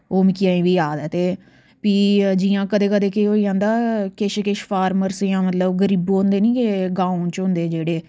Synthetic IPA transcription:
oːmɪkɪjãːĩːʋiːaːd̪ɛːt̪eː | piːd͡ʒiːjãːkəd̪eːkəd̪eːkeɦoːiːãːnd̪aːkɪʃkɪʃpʰaːɾməɾsjãːmət̪ləbɡəɾiːbõːnd̪eːniːkeɡãːõt͡ʃɦʊ̃nd̪eːd͡ʒeːɽeː

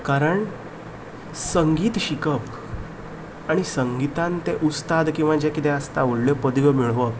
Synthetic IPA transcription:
kaɾəɳ | səŋɡiːt̪ɕikəp | aɽ̃isəŋɡit̪ãnt̪eʔust̪ad̪kĩw̃ʋad͡ʑekit̪ɛəst̪auɽljopəd̪ʋəmiɭʋəp

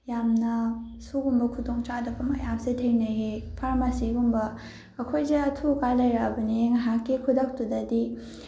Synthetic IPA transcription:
jamnɐsuɡumbɐkʰudoŋt͡ʃadɐbɐmɐ̰japsetʰejnɐɦepʰaɾmasiɡumbɐ | ɐkʰojzeɐtʰukajlɐjɾabɐniŋɐɦakːikʰudɐk̚tudɐdi

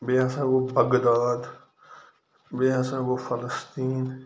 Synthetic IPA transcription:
beãsãʋobʱəɡd̪aːd̪ | beãsãːʋofʰələst̪iːn

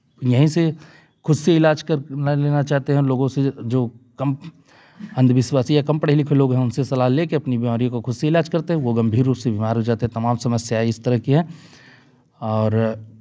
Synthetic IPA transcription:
jɐɦĩse | kʰʊd̪seɪlaːd͡ʒkɐɾnaleːnat͡ʃaːɦt̪eɦɛ̃loːɡõsed͡ʒoːkɐm | ɐ̃nd̪ʱʋɪswaːsijakɐ̃mpəɽɪlɪkʰeloːɡɦɛ̃ʊnsesɐlaːɦleːkeɐpnibimaːɾij̃koxʊd̪seɪlaːd͡ʒkɐɾt̪eɦɛ̃ʋoɡɐ̃mbʱiːɾːuːpsebʱimaːɾɦod͡ʒaːt̪eɦɛ̃t̪ɐmaːmsɐməsjaːeɪst̪ɐɾəɦkiɦɛ̃ː | ɔːɾ

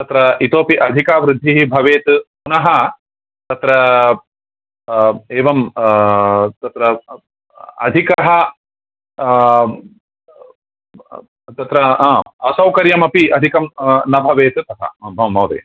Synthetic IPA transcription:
t̪ɐt̪ɾɐit̪oːpiʔɐd̪ʱikaːʋɾɪd̪ʱːiɦibʱɐʋeːt̪punɐɦɐ | t̪ɐt̪ɾɐ | eːʋɐm | t̪ɐt̪ɾɐ | ɐ̰d̪ʱikɐɦɐ | t̪ɐt̪ɾɐɦãːɐsɐwkɐɾjɐmɐpiɐd̪ʱikɐmnɐbʱɐʋeːt̪ɨt̪ɐɦ̪ʰɐ̰̃bʱɐɐmːɐwd̪ḛː

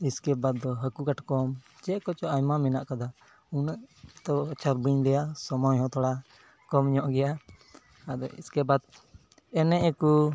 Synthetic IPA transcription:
iskɛbat̪̚d̪ɔɦəkukaʈkɔm | t͡ʃɛʔkɔt͡ʃɔʔajmamɛnaʔkad̪a | unəʔt̪ɔt͡ʃʰaɾbiɲɾɛjasɔmɔjɦɔ̃t̪ɔɽa | kɔmɲɔʔɡɛja | ad̪ɔḭskɛbad̪ | ɛnɛʔɛku

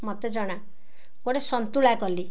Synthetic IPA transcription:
mɔt̪ed͡ʒɔɽ̃a | koɽesɔnt̪uɭakɔli

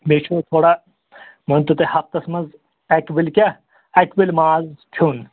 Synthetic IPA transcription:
met͡ʃʰoːt̪ʰoːɽa | mɐnt̪ut̪ehɐp̚t̪ɐsmɐnz | ɐkbilkʲa | ɐkbilʲmaːzkʰuːn

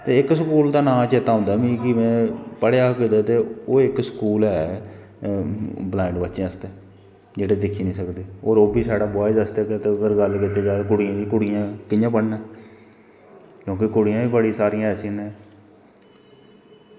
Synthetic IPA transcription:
t̪eːɪksəkuːld̪aːnãːmt͡ʃeːt̪aːɦʊ̃ːnd̪aːmĩːkɪmɛ̃ːpəɽeaːkɪd̪aːt̪eːoːɪksə̥kuːlɛː | blaːɳɖbətːʃeəst̪eː | d͡ʒeːɽeːd̪ɪkʰːiːnĩːsəkd̪eːoːɾoːbʱiːsaːɽaːbɔːɪsəst̪ɛːkɛːt̪eːəɡəɾɡəlkɪt̪eːd͡ʒaːkʊɽijãːd̪iːkʊɽɪjãːkɪjãːpəɽnɛː | kjõːkɪkʊɽɪjãːbiːbəɽĩsaːɾɪjãːɛːsɪãːnẽː

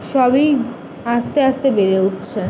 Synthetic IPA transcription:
ʃɔbej | ast̪east̪ebeɾeuʈt͡ɕʰe

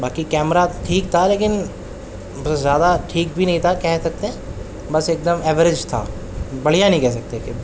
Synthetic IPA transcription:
baːkikɛːmɾaʈʰiːkt̪ʰaleːk̬ɪn | bɐszjaːd̪aʈʰiːk̚bʱinɐ̃ɦĩt̪ʰakɛɦsɐk̚t̪ẽ | bɐseːk̚d̪əmɛːʋəɾɪd͡ʒt̪ʰa̰ | bɐɽ̤ijanɐɦĩkɛɦs̬ɐk̚t̪eke

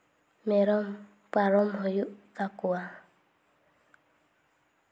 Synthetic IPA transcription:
mɛɾɔm | paɾɔmɦɔjuʔkakua

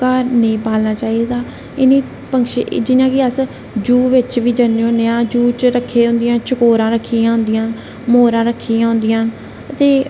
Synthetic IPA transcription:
kaːɾnəĩːpaːlnaːt͡ʃaːiːd̪aː | ɪniː | pəŋkʃḛd͡ʒɪnãːkɪəs | d͡ʒuːʋɪt͡ʃʋiːd͡ʒəneːɦõnejãːd͡ʒuːt͡ʃɾəkʰːeːɦʊ̃nd̪ɪjãːt͡ʃəkoːɾãːɾəkʰːiːãːɦʊ̃nd̪ɪjãːn | moːɾãːɾəkʰːiːjãːɦʊ̃nd̪ɪjãːn | ət̪eː

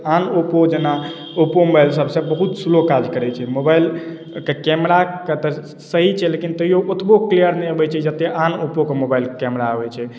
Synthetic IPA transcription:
anopod͡ʒena | opomobajlsəbsẽbəɦut̪sulokad͡ʒkəɾɛt͡ʃʰɛmobajl | kekɛmɾaket̪ə | səɦit͡ʃʰɛlekint̪əɦijoʔot̪ʰboklijəɾnɛəbɛt͡ʃʰɛd͡ʒət̪ːeʔanopokemobailkɛmɾaəbɛt͡ʃʰɛ

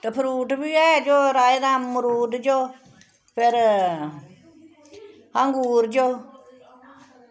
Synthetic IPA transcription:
t̪əpʰɪɾuːʈbiɛd͡ʒoɾajd̪amːuɾuːdd͡ʒo | pʰeɾ | haŋɡuːɾd͡ʒo

